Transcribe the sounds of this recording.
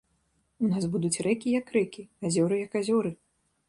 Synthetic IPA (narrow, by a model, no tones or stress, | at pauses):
unasbud̪ut͡sʲrɛkʲijɐkrɛkʲiazʲɔɾɨjɐkazʲɔɾɨ